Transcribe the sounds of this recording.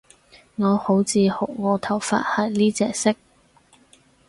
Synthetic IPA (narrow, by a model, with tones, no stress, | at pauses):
ŋɔː˨˧ho˨˥wt͡siː˧ho˨˩k̚ŋɔː˨˧t̪ʰɐ˨˩wfa̰ː˧˥t̚hɐ˨˩jnliː˥t͡sɛː˨˧sɪ˥k̚